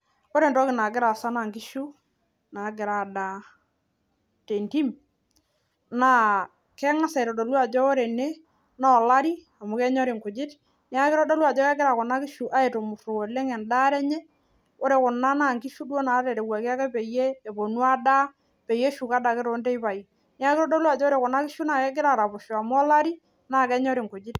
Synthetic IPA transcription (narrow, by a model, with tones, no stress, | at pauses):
o˦ɾe˨ntɔ˦kɪ˨na˨kɪ˦ɾa˨sa˦na˨ŋki˦ʃu˦ | na˨˦ɡɪ˨ɾa˨da˨ | te˨nti˦m | na˦˨ | kɛ˦ŋa˦sa˨i˨ɾɔ˨do˨lwa˨d͡ʒɔ˦o˦ɾe˨ne˦ | na˦ɔ˨la˦ɾi˦ | a˨mʊ˨kɛ˦ɲɔ˦ɾi˨ŋkʊ˨d͡ʒɪ˦t | nɪ˦a˦kɪ˦ɾɔ˦dɔ˦lu˦a˨d͡ʒɔ˦kɛ˦kɪ˦ɾa˨kɔ˨na˦kɪ˦ʃu˨ʔa˦e˨to˨mʊ˨to˨o˨le˦ŋɛ˨nda˦ɾɛ˦ɲɛ˦ | o˦ɾe˨kʊ˨na˦na˦˨ŋki˦ʃu˦dwɔ˦na˨˦tɛ˨ɾɛ˨wa˨ka˦kɛ˦pe˨jeː˦˨bo˨nu˦a˦da˦ | pe˨je˦ʃu˨ka˦da˨kɪ˦ɾo˨˦ntɛ˦i˦pa˨i˨ | nɪ˦a˦kɪ˦ɾɔ˦dɔ˦la˨d͡ʒɔ˦ɾe˨kʊ˨na˦kɪ˦ʃu˦na˦˨kɛ˦k̬ɪ˦ɾa˨ɾa˨pʊ˨ʃɔ˨a˨mʊ˦ɔ˦la˦ɾi˦ | naː˦˨kɛ˦ɲɔ˦ɾi˨ŋku˨d͡ʒɪ˦t